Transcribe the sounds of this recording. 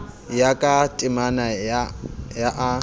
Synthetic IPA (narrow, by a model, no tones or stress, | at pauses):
jakʼatʼɪmana | jaʔa